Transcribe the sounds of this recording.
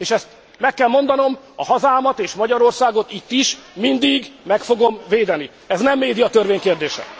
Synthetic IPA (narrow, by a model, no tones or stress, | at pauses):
eːʃɛst̪ | mɛkːɛlmo̞nd̪ɒno̞m | ɒhɒzaːmɒt̪eːʃmɒɟɒɾo̞rsaːɡo̞t̪it̪ːiʃmind̪iɡmɛkfo̞ɡo̞mveːd̪ɛni | ɛznɛmːeːd̪iɒt̪ørveːɲkeːrd̪eːʃɛ̰